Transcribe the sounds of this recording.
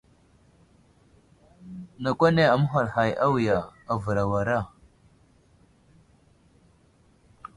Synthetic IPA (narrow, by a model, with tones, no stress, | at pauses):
na˨kʷa˦ne˦a˨mu˦ɦa˨lha˨jʔa˦wi˨ja˨a˨və˨ɾa˨wa˨ɾa˦˨